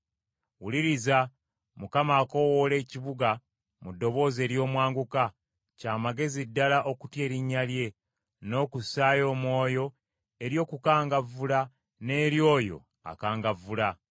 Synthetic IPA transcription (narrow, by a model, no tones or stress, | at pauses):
wuliɾiza | mukamaːko̞wole̞ːciβuɡa | mudːo̞βo̞ːze̞ːɾjo̞ːmwaːŋɡuka | caːmaɡe̞zidːalaʔo̞kutje̞ːɾiɲːalje̞ | no̞ːkusaːjo̞ːmwo̞ːjo̞ | e̞ɾjo̞ːkukaːŋɡavːula | ne̞ːɾjo̞ːjo̞̰ | a̰kaːŋɡavːula